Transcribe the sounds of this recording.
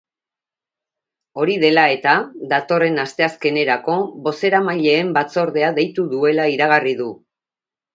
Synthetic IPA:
o̞ɾiðe̞lae̞t̪aðat̪o̞re̞nast̪e̞aske̞ne̞ɾako̞βo̞se̞ɾamaʎe̞ːmbat͡so̞ɾðe̞aðe̞jt̪uðue̞laiɾaɣ̞ariðu

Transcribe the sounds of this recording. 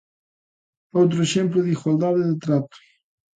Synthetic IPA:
owt̪̬ɾoeʃemplʊðiɣwald̪aðeðet̪ɾat̪u̥

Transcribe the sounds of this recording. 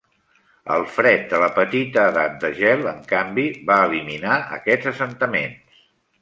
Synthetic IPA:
ə̰lˠfɾɛt̪̚d̪ələpət̪it̪əːðat̪̚d̪əʒɛlˠəŋkambiβaəliminaə̰kɛdzəsənt̪əmens

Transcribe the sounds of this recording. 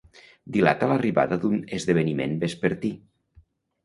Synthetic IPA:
d̪ila̰t̪ələriβa̰ðəðunezðeβ̞ənimḛnbespəɾt̪i

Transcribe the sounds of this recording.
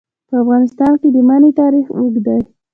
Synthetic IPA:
pəafɣɑnɪst̪ɑnked̪əmanet̪ɑɾixuɡd̪aj

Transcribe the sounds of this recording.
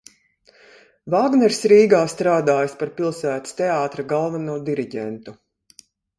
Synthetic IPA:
vaːɡnɛɾsɾiːɡaːst̪ɾaːd̪aːjaspaɾpilˠsæːt̪i̥st̪ɛaːt̪ɾaɡalˠvanuːd̪iɾiɟʲɛnt̪u

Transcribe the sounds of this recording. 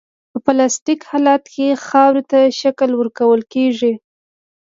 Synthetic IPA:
pəplɑstikhɑlat̪kexɑwɾet̪aʃaklwəɾkawəlkeʐi

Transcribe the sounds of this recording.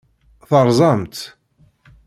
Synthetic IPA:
θəɾˤzˤɑmt̪

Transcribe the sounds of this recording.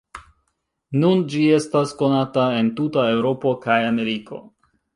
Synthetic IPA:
nund͡ʒie̞stasko̞natae̞ntutae̞wɾo̞po̞kajame̞ɾikʰo̞̰

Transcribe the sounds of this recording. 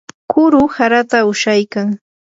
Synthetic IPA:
kʊɾʊhaɾat̪aʊʃajkaŋ

